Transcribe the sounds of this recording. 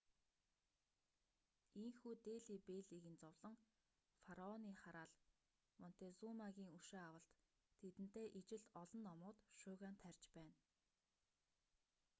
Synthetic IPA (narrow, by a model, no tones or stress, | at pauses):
iŋxuːt̪eːɮiːpeːɮiːɣɘ̆nt͡sɔwɮ̥ɞ̆ŋ | faɾaɔniːχaɾaːɮ | mɔn̥t̪ʰet͡sumaɣʲiːŋuʃeːawə̆ɬt̪ʰː | et̪ɘ̆n̥t̪eːʔit͡ɕɪ̆ɮɔɮɞ̆nːɔmʊːt̪ʃʊːɣaːnt̪ʰærʲt͡ɕpæːn